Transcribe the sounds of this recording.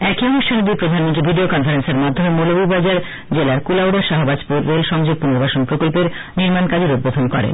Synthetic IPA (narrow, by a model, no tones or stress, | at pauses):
ɛkionuʃʰanod̪ipɾod̪ʱanmont̪ɾibʱiɖiokɔnfaɾenseɾmad̪ʱːomemolobibad͡ʑaɾ | d͡ʑelaɾkulawɖaʃaɦobad͡ʑpuɾːelʃɔŋd͡ʑoɡ̚poniɾbaʃonpɾokolpeɾ | niɾmankad͡ʑeɾud̪̚bːod̪ʱonkɔɾḛn